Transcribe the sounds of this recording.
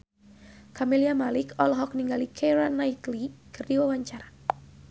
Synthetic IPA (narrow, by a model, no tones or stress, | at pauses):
kamiliamalɪkɔlɦɔk̚niŋɡalikʰɛɾanaiklikɨrdiwawaɲt͡ʃaɾa